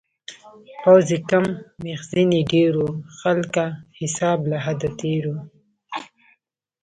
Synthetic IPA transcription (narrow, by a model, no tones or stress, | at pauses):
pawzikamːixziniɖeɾoxalkahɪsɑːblaɦad̪at̪eɾu